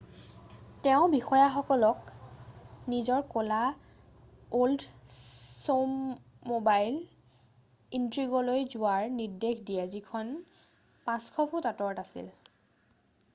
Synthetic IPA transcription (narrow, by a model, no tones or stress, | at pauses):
tɛʊ̃bixɔjaxɔkɔlɔk | nizɔɹkola | old | somː | obajl | intɹiɡɔlojzʊaɹnidexdijɛzikʰɔn | pãskʰɔpʰutatɔɹɔtasḭl